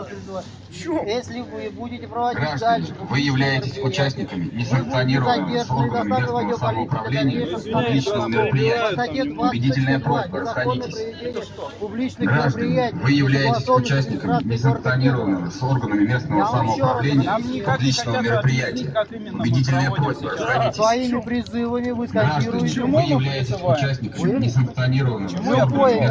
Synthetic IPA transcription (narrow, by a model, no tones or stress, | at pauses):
ɡɾaʐd̪ənʲɪvɨjɪvlʲæjɪtʲɪsʲʊt͡ɕæsʲnʲɪkəmʲɪnʲɪsəŋk̚t̪sɨɐnʲiɾəvəmɨɪso̞rɡənəmɪesmʲɪsaməʊpɾɐvlʲenʲɪjəpʊblʲit͡ɕnəvəmʲɪɾəpɾʲɪjætʲɪjəʊbʲɪdʲitʲɪlʲnəjəpɾozbərəsxɐdʲitʲɪsʲ | ɡɾaʐd̪ənʲvɨjɪvlʲæjɪtʲɪsʲʊt͡ɕæsʲnʲɪkəmnʲɪs̬əŋk̚t̪sɨɐnʲiɾəvənːɨmɪso̞rɡənəmʲɪmʲe̞stnəvəsaməʊpɾɐvlʲenʲɪjəipʊb̪lʲit͡ɕnəvəmʲɪɾəpɾʲɪjætʲɪjə | pʊbʲɪdʲit̬ʲɪlʲnəjəpɾo̞zʲbərəsxɐdʲitʲɪs | ɡɾaʐd̪ənʲɪvɨjɪvlʲæjɪtʲɪsʲʊt͡ɕæsʲnʲɪkəmɪnʲɪs̬əŋk̚t̪sɨɐnʲiɾəvənːɨmɪsorɡəənɪ